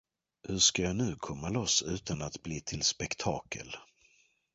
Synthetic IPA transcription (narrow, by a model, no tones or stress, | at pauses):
hɵʂkajɑːnʉ̟ːkʰɔmːalɔsːʉ̟ːt̪anat̪bliːt̪ʰɪlspɛkt̪ʰɑːkʰə̰l